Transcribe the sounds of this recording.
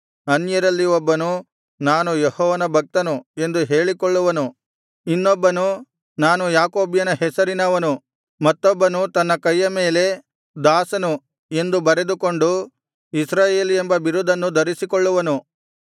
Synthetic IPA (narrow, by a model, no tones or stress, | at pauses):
ɐnjɐɾɐlːiɔbːɐnu | naːnujehɔːʋɐnɐbʱɐk̚t̪ɐnue̞nd̪uɦe̞ːɭikɔɭːuʋɐnu | inːɔbːɐnu | naːnujaːkoːbjɐnɐɦɛsɐɾinɐʋɐnu | mɐt̪ːɔbːɐnut̪ɐnːɐkɐjːɐme̞ːle̞ | d̪aːsɐnu | e̞nd̪ubɐɾe̞d̪uko̞ɳɖu | isɾaːje̞ːliembɐbiɾud̪ʱɐnːud̪ɐɾisikɔɭːuʋɐnu